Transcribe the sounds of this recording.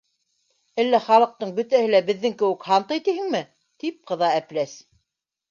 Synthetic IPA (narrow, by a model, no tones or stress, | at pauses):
ælːæχɑlˠɤ̆q̚t̪ɤɴbɵ̆t̪æhɘlæbɘ̆ðːɘŋkɘ̆wɘ̆khɑnt̪ɤjt̪ihɘŋmɘ | t̪ip̚qɤ̆ðɑæplæs